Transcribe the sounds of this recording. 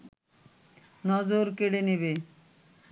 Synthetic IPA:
nɔd͡ʑoɾkeɽeniβe

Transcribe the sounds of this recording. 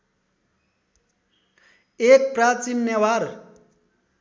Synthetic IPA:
ek̚pɾat͡ʃinjewaɾ

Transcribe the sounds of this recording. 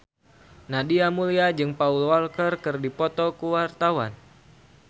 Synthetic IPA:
nadiamuliad͡ʒɨŋpaulwalkərkɨrdipɔt̪ɔkuwart̪awan

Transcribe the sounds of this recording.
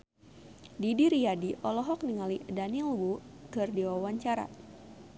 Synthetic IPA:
didiɾiadiʔɔlɔɦɔk̚niŋalidanilwukɨrdiwawaɲt͡ʃaɾa̰

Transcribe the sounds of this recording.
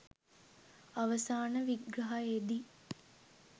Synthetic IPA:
aʋəsaːnəʋiɡɾɐɦaed̪i

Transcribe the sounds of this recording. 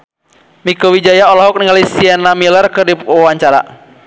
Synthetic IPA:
mikɔwid͡ʒajaɔlɔɦɔk̚niŋalisiɛnamilərkɨrdiawaɲt͡ʃaɾa̰

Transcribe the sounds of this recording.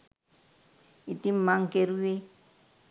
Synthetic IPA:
itim̩maŋ̩keɾuwe

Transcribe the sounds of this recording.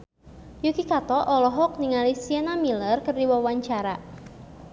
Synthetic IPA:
jukikat̪ɔʔɔlɔɦɔk̚niŋalisiɛnamilərkərdiwawaɲt͡ʃaɾa

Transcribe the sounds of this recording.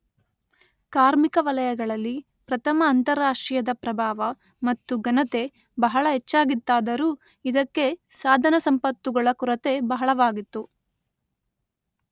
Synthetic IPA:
kaːɾmikɐʋɐlɐjɐɡɐɭɐlːi | pɾɐt̪ʰɐmɐːnt̪ɐɾaːʂʈɾijɐd̪ɐpɾɐbʱaːʋɐ | mɐt̪ːuɡɐnɐt̪e̞ | bɐɦɐɭɐɦɛt͡ʃːaːɡit̪ːaːd̪ɐɾuː | id̪ɐkːe̞ | saːd̪ʱɐnɐsɐmpɐt̪ːuɡɐɭɐkuɾɐt̪e̞bɐɦɐɭɐʋaːɡit̪ːu

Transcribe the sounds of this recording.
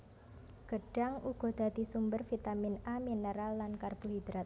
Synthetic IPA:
ɡ̥əɖ̥aŋuɡ̥ɔ̤d̪̥a̤d̪isumbərfit̪aminaminəɾalːankarb̥uɦid̪̥ɾat̪̚

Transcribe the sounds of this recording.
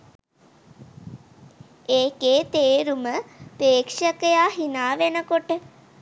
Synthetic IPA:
eːkeːt̪eːɾuməpeːkʂəkəjaːɦinaːʋenəkoʈə

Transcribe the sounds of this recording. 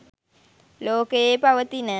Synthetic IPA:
loːkeepɐʋət̪inə

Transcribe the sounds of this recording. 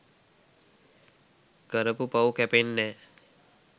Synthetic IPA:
ɡəɾəpupaukɛpenːe

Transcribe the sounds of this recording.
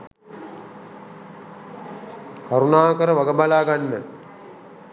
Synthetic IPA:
kaɾunaːkəɾəʋaɡəbalaːɡanːə

